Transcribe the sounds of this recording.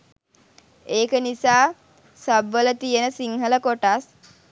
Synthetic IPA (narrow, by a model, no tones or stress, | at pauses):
eːkənisaː | sabʋələt̪ijənəsiŋɦələkoʈas